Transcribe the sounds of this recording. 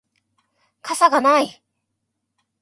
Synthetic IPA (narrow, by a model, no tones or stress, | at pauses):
kʰasʰaɡanaj